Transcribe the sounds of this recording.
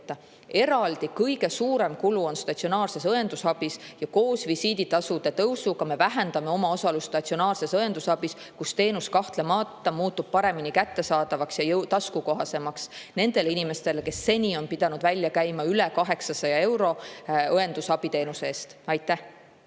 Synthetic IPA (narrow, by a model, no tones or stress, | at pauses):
t̪ːˑɑ | e̞ɾɑld̪̥ikɤjɡe̞suːɾe̞mkuluo̞nst̪ɑt̪sionɑːrse̞sɤe̞nd̪usɑb̥isjɑko̞ːsvisiːd̪̥it̪ɑsud̪̥e̞t̪ɤwsukɑme̞væɦe̞nd̪̥ɑme̞o̞mɑo̞sɑlusːt̪ɑt̪sionɑːrse̞sɤe̞nd̪̥usɑbis | kust̪e̞ːnuskɑht̪le̞mɑːt̪ːˑɑmuːt̪ːˑub̥̚pɑɾe̞minikæt̪ːe̞sɑːd̪̥ɑvɑksjɑjɤwt̪ɑskuko̞ɦɑse̞mɑksne̞nd̪e̞linime̞st̪e̞leke̞sːe̞nʲio̞npid̪̥ɑnud̪vælʲːjɑkæjmɑylekɑɦe̞ksɑsɑjɑe̞wɾo̞ɤe̞nd̪̥usɑb̥it̪e̞ːnuseeːst̪ɑjt̪ˑːæh